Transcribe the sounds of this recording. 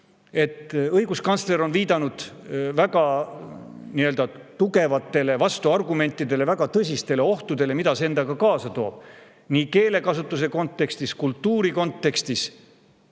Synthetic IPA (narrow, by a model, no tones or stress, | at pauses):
e̞t̪ːɤjɡ̥uskɑnt̪sle̞ɾo̞nviːd̪ɑnud̪̥væɡ̥ɑ | niːø̞ld̪ɑ | t̪uɡe̞vɑt̪ːe̞le̞vɑst̪uɑrɡume̞nʲt̪ːˑid̪e̞le̞væɡ̥ɑt̪ɤs̬ʲist̪e̞le̞o̞ht̪ud̪̥e̞le̞mid̪ɑseend̪̥ɑɡɑkɑːsɑt̪o̞̰ːb̥̚ | niːke̞ːle̞kɑsut̪ːˑus̬e̞ko̞nt̪ːˑe̞kst̪iskult̪ːuːɾiko̞nt̪ːˑe̞kst̪is